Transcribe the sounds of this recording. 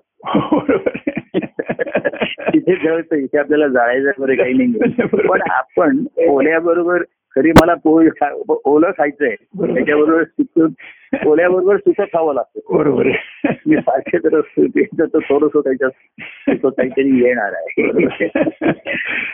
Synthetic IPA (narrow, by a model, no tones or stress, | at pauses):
ɾb | it̪ʰed͡zəɭt̪əit̪ʰeapljalad͡zaɭajd͡zaɾɡəɾekaɦiːnaiɡelpəɳa̰pəɳoljabəɾobəɾ | kʰəɾiːməlapojkʰaoləkʰajt͡səjeəjat͡ɕabəɾobəɾsukʰə | oljabəɾobəɾsuk̪ʰətʰaʋəlaɡ̚t̪obəɾobəɾemiːpaɾt͡ɕʰet̪əɾət̪it͡sət̪ət̪ʰoɾosokat͡ɕa | suk̪ʰəkaɦiːt̪əɾiːjeɽ̃a̰ɾa̰ɦebə̰ɾo